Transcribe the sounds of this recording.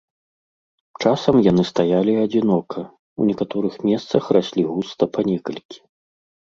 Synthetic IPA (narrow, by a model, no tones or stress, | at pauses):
t͡ʂasɐmjanɨst̪ajalʲiɐd͡zʲinɔkʰɐ | unʲɛkat̪ɔɾɨxmʲɛst̪sɐxrasʲlʲiɣust̪ɐpʰɐnʲɛkɐlʲkʲi̥